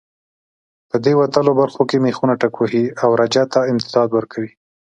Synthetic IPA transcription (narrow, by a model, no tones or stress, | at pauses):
pəd̪ewat̪əlobaɾxokemexunaʈakwoɦiawɾad͡ʒat̪aɪmt̪ɪd̪ɑd̪wəɾkʰawi